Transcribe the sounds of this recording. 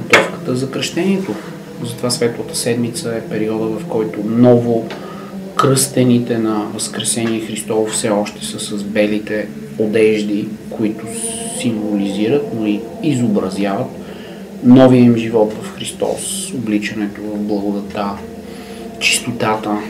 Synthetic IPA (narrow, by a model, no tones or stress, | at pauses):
ɡot̪ɔfkə̥t̪əzɐkɾəʃt̪ɛniɛt̪o | zɐt̪ovasvɛt̪lˠət̪ə̥sɛd̪mit̪səɛpɛɾiɔd̪əvɐfkɔjt̪ʊnɔvʊ | kɾɤst̪ɛnit̪ɛnɐvɐskɾɛsɛniɛxɾist̪ɔvʊfsɛɔʃt̪ɛ̥səsɐzbɛlit̪ɛ | od̪ɛʒd̪ikʊit̪ʊsiɱvoliziɾət̪noiizobɾɐzjavət̪ | nɔviəimʒivɔt̪vɐfxɾist̪ɔ̰soblit͡ʃɐnɛt̪ovɐvblˠɐɡʊd̪ɐt̪a | t͡ʃi̥st̪ot̪at̪ə